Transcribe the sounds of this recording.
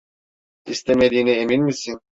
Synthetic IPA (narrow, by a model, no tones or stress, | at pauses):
ist̪ʰemed̪iːnieminmisin